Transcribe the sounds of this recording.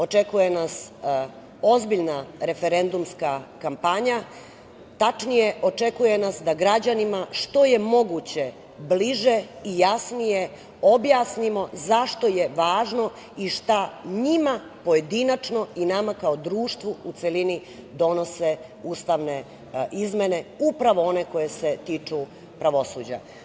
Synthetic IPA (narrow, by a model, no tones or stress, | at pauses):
o̞t͡ʃe̞kuje̞nas | o̞zbiʎnaɾe̞fe̞ɾe̞nd̪umskakampaɲa | t̪at͡ʃnije̞ʔo̞t͡ʃe̞kuje̞nasd̪aɡɾad͡ʑanimaʃt̪o̞je̞mo̞ɡut͡ɕe̞ | bliʒeijasnije̞ | o̞bjasnimo̞zaʃt̪o̞je̞ʋaːʒno̞ | iʃt̪aɲima | po̞je̞d̪inat͡ʂno̞inamakaod̪ɾuːʃt̪ʋuut̪selinid̪o̞no̞se̞ | uːst̪aʋne̞ | ʔizmene̞upɾaʋo̞o̞ne̞ko̞je̞se̞t̪iːt͡ʂu | pɾaʋo̞suːd͡ʑa̰